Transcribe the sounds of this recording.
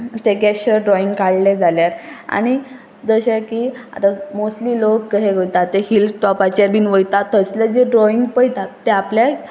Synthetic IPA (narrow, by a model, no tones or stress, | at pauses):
t̪eɡɛɕəɾɖɾɔiŋɡkaɽled͡zʱaljaɾa̰ɽ̃i | d͡zəɕakia̰t̪amosʈliːlokːəɦeɡʱəjt̪at̪ːehildʈɔpat͡ɕabiːnʋəjt̪at̪ːəslad͡ʑeɖɾɔiŋɡpəjt̪at̪ːeaplja